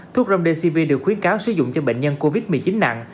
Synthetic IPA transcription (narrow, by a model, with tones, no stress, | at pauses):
t̪ʰu˦˥əzə˧wŋ͡mɗe˧si˧vi˧ɗɨ˨˩ək̚xwi˨˦ənkaː˨˦wsɨ˧˦zʊ̰˧˨ŋ͡mt͡ɕɔ˧ɓḛ˧˨ŋ̟ɲə˧nko˧vi˦˥t̚mɨ˨˩əjt͡ɕi˨˦nːa̰˧˨ŋ